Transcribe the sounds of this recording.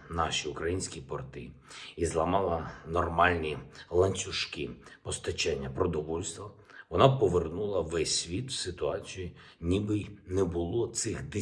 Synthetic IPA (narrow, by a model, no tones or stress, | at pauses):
nɑʃʲiʊkɾɐjinʲsʲkʲipɔrt̪ɪ | izlˠɐmɑlˠɐnɔrmɑlʲnʲilˠɐnʲt͡sʲʊʃkɪpɔst̪ɐt͡ʃɛnʲːɐpɾɔd̪ɔʋɔlʲst̪ʋɐ | ʋɔnɑpɔʋernulˠɐʋɛsʲʋʲit̪wsɪt̪ʊɑt͡sʲiji | nʲibɪjnɛbʊlˠɔt̪sɪxd̪ɪ